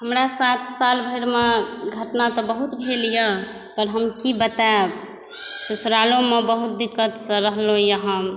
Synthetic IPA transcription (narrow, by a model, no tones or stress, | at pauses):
ɦəmɾasat̪salbʱəɾmeɡʱəʈnat̪ɔbəɦut̪bʱelijə̃ | p̪əɾɦəmkibət̪ab | sesɾalomebəɦut̪̚d̪ikːət̪sə̃ɾəɦlojəɦəm